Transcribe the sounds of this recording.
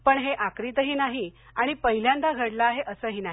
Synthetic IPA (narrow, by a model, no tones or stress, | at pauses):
pəɳɦeʔakɾit̪əɦiːnaɦi | aɽ̃ipəɦiljãnd̪aɡʱəɽlaːɦeʔəsəːɦiːnaɦ